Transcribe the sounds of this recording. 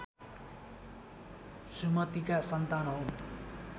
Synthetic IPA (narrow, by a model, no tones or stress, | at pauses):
sumʌt̪ikasʌnt̪anɦo